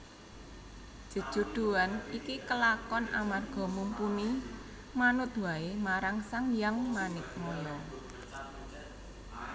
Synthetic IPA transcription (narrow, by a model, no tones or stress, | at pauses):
ʒ̥ə̤̥ʒ̥ṳd̪̥ṳanikikəlakɔna̰marɡ̥ɔ̤mumpuni | manʊt̪̚waemaɾaŋsaŋjaŋmanɪk̚molɔ